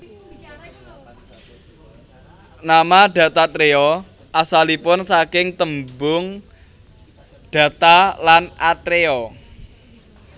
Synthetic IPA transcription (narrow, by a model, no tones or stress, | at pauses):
namaɖ̥ä̤t̪at̪ɾeɔ | ʔasalipʊnsakɪŋt̪əmbʊŋ | ɖ̥ä̤t̪alanat̪ɾeɔ